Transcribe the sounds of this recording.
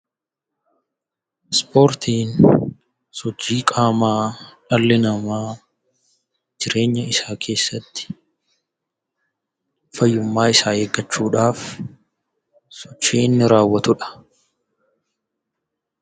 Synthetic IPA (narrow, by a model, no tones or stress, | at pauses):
spo̞ːɾt̪iːn | sɔd͡ʒːiːkʼaːmaːᶑɐlːɪnɐmaː | d͡ʒɪɾe̞ːɲːɐɪsaːkʰe̞ːsːɐt̪ːɪ̥ | fɐjːʊmːaːɪsaːeːɡɐt͡ʃːuːᶑaːf | sɔt͡ʃːiːɪnːɪɾaːwːɐt̪ʊᶑɐ̥